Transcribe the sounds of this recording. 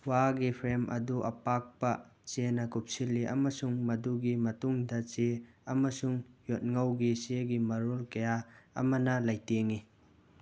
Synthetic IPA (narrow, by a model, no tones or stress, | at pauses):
waɡipʰɾemʔɐ̰duʔɐ̰pak̚pɐt͡ʃenɐkup̚silːiʔɐ̰mɐsuŋmɐduɡimɐtuŋdɐt͡ʃe | ɐmɐsuŋjot̚ŋɐwɡiseɡimɐɾolkɐjaɐ̰mɐnɐlajteŋi